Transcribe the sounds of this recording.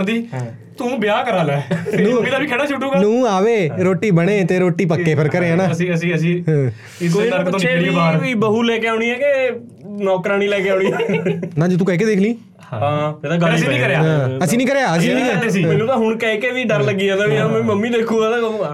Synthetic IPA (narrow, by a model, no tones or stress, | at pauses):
d̪iː | t̪ũːbɪjaːkəɾaːlɛːnũːmːd̪aːbiːkʰeːɽaːt͡ʃʰʊʈːuːɡanũːaːʋeːɾoːʈːiːbəɽ̃eːt̪eːɾoːʈːiːp̬əkːeːpʰɪɾkəɾeːãːnãːəsĩːəsĩːəsĩːɦ | koəɾk̪oɽiaʋiːbəɦuːlɛːkeaːɽ̃iːɛːke | nɔːkɾaːniːlɛːkeaːɽ̃iːɛnãːd͡ʒuːt̪ũːkɛːk̬eːd̪eːkʰliː | ãːd͡ʒed̪ãːɡaːĩːkəɾeaːɦãːəsĩːnĩːkəɾejaːəsĩːnĩːesĩːmːlːuːnãːɦʊɳkɛːkeːʋiːɖəɾləɡiːãːd̪aːʋiaːmɛ̃ːməmːiːd̪eːkʰũːaːt̪ã